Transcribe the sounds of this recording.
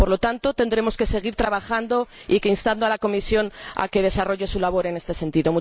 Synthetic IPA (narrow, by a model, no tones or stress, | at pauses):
po̞ɾlo̞t̪ant̪o̞t̪e̞nd̪ɾe̞mo̞ske̞se̞ɣ̞iɾt̪ɾaβaxand̪o̞ike̞inst̪and̪oalako̞misjo̞na̰ke̞ð̞e̞saro̞ʝe̞sulaβ̞o̞ɾe̞ne̞st̪e̞se̞nt̪iðo̞mu